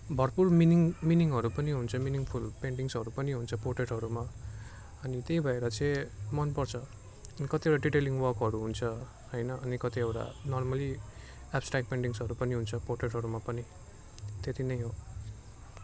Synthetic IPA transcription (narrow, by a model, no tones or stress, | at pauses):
bʱʌrpurminiŋminiŋɦʌɾupʌniɦunt͡sʰʌminiŋpʰulpeɳʈiŋsʌɾupʌniɦunt͡sʰʌpoʈreʈɦʌɾuma | ʌnit̪ejbʱʌeɾʌt͡sʌẽmʌnpʌrt͡sʰʌ | nikʌt̪iewʈaɖiʈeliŋɡwʌrkɦʌɾuɦunt͡sʰʌ | ɦʌjnʌʔːnikʌt̪iʌwʈa̰nʌrmʌli | ab̥sʈrak̚peɳʈiŋsʌɾupʌniɦunt͡sʰʌporʈeʈɦʌɾumapʌni | t̪et̪inʌjɦo